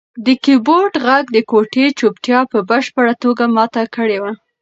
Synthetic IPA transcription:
d̪əkiboɾɖɣaɡ̚d̪əkoʈet͡ʃopʈjɑpəbəʃpəɽat̪oɡamɑt̪akəɽewa

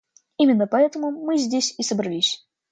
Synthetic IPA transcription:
imʲɪnːəpɐɛt̪əmʊmɨzʲdʲesʲisəbɾɐlʲisʲ

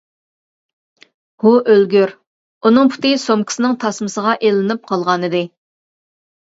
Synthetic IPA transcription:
huʔølɡʲyɾ | unɨŋpʰʊ̥t̪ɨsomkʲi̥sɪnɪŋt̪ʰɑsmɨsəʁɑʔelɪnɪp̚qʰɑlˠʁɑnɨd̪ɪ

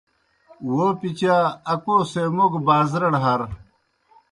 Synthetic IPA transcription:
wopit͡ɕaɐkosemoɡbaːzɾɐɽɦɐɾ

